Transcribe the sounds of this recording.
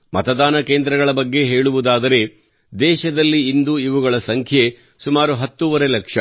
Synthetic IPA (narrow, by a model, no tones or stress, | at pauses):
mɐ̰t̪ɐd̪aːnɐkeːnd̪ɾɐɡɐɭɐbɐɡːe̞ɦe̞ːɭuʋud̪aːd̪ɐɾe̞ | d̪ɛːʃɐd̪ɐlːiːnd̪uiʋuɡɐɭɐsɐŋkʰje̞ | sumaːɾuɦɐt̪ːuʋɐɾe̞lɐkʂɐ